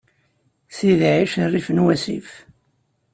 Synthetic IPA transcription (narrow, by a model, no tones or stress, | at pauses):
siðʕiʃərːifənwæsḭf